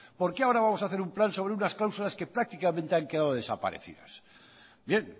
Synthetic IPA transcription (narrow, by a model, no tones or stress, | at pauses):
po̞ɾkeaoɾaβamo̞saθeumplanso̞βɾeunasklawsulaske̞pɾak̚t̪ikamẽnt̪e̞aŋke̞ðaðo̞ðe̞sa̰pa̰ɾe̞̰θḭða̰s | bje̞ŋ